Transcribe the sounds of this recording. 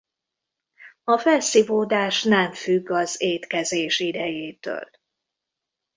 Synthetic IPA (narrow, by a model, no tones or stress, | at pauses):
ɒfɛlsivoːd̪aːʃnɛɱfyɡːɒzeːt̪kɛzeːʃid̪ɛjeːt̪ø̰ːl